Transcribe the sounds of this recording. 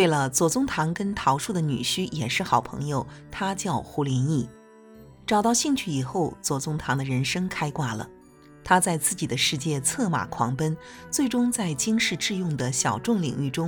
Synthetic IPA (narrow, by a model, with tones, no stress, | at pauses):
we˥˩ɪlə˩t͡swɔ˨˩t͡sʊ˥ŋt̪ʰɑ˧˥ŋkə˥nt̪ʰɑ˧˥ʊʂu˥˩d̪ə˩ny̰˨˩ɕy˥jɛ˨˩ʂɻ̩˥˩xɑ˨˩ʊpʰɤ̰˧˥ŋjo˧ʊt̪ʰa˥t͡ɕjɑ˥˩ʊxu˧˥ljɛ˧˥ni˥˩ | ʈ͡ʂɑ˨˩ʊt̪ɑ˥˧ʊɕi˥˧ŋt͡ɕʰy˥˩i˨˩xo˥˩ʊt͡swɔ˨˩t͡sʊ˥ŋt̪ʰɑ˧˥ŋd̪ə˧ɻə˧˥nʂɤ˥ŋkʰa˥ɪkwa˥˩lə̰˩ | t̪ʰa˥t͡sa˥˧ɪt͡sɹ̩˥˩t͡ɕi˨˩d̪ə˦ʂɻ̩˥˧t͡ɕjɛ˥˧t͡sʰɤ˥˩ma̰˨˩kʰwɑ̰˧˥ŋpə˥nt͡swe˥˩ɪʈ͡ʂʊ˥ŋt͡sa˥˩ɪt͡ɕi˥ŋʂɻ̩˥˧ʈ͡ʂɻ̩˥˧jʊ˥˩ŋd̪ə˩ɕjɑ˨˩ʊʈ͡ʂʊ˥˩ŋlḭ˨˩ŋy˥˩ʈ͡ʂʊ˥ŋ